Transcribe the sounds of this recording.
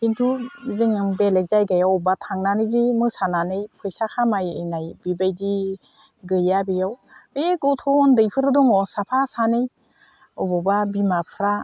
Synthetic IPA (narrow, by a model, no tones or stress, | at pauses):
bintʰuzɯŋɯbelajzajɡajawbatʰaŋnanɯjzimɯsananɯjpʰɯjsakʰamajɯjnajbibajdi | ɡɯjabijaw | ɯjeɡɔtʰɔndɯjpʰɯɾɯdɔŋɔsapʰasanɯj | ɔbɔbabimapʰɾa